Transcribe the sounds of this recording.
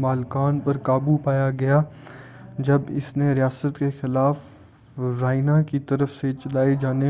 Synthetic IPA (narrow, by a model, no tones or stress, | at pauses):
maːlkaːnpɐɾkaːbupaːjaɡɐjaː | d͡ʒɐbɪ̰sneɾɪjaːsət̪kexɪlaːf | ɾaːɪnãkit̪ɐɾəfset͡ʃɐlaːed͡ʒaːne